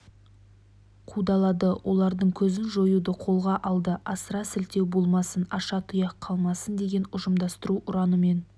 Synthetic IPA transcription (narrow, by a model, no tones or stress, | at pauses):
qʰud̪ɑlˠɑd̪əwʔo̞̰lˠɑɾd̪əɴkʲʰɵzɪnʒo̞jud̪əqʰo̞lˠʁɑʔɑlˠd̪əʔɑsəɾɑsɪlt̪e̞wbo̞lˠmɑsənɑʃɑt̪ʰʊjɑqʰːɑlˠmɑsənd̪e̞ɡʲe̞nʊʒəmd̪ɑst̪əɾuʔʊɾɑnəme̞n